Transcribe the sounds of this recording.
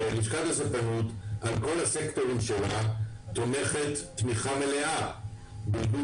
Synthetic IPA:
eniʃkat̪asepanut̪ʔalko̞lasekt̪o̞ʁimʃelat̪ome̞χet̪ːmiχamele̞ʔa | bildu

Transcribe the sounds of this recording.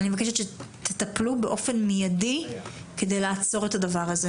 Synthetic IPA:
nimevakeʃetʃet̪ʰet̪aplube̞ʔo̞fe̞nmijadi | ked̪ejlaːt͡so̞ʁet̪adavaʁaze

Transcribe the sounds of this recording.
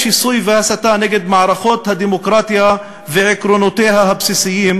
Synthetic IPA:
ʃisˤujvasat̪aːnɪɡɪd̪maʕɾˤɑfoːt̪had̪imʊkɾɑːt̪ˤja | vɪʕɪkɾonot̪eːɦaɦabsisɪjːiːm

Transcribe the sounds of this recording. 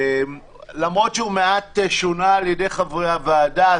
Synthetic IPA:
m | lamʁo̞tʃeumeatʃonaːljedejχavʁeaveada

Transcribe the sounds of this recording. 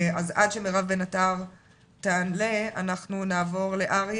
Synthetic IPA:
azadʃe̞meʁavbenataʁ | tanleanaχnunaːvo̞ʁle̞ʔaʁj

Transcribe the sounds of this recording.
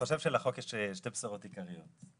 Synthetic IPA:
oʃe̞vʃelaχo̞kjeʃeʃte̞bsaʁotikaʁijot

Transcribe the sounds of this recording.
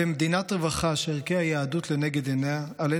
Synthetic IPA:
emd̪inat̪ʁevaχaʃeeʁkehajaːd̪ut̪leneɡed̪eneaale

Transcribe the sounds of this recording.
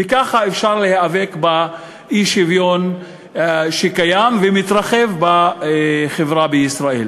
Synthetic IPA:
vekaχaefʃaʁlehaave̞kba | ʔiʃivjon | ʃekajamvemit̪ʁaχe̞vba | χevʁabejisʁaḛl

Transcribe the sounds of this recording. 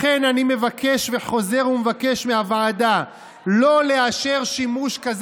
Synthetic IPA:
χenanime̞vakʰe̞ʃve̞χo̞ze̞ʁumevake̞ʃmeavaada | lo̞le̞aʃeʁʃimuʃkaz

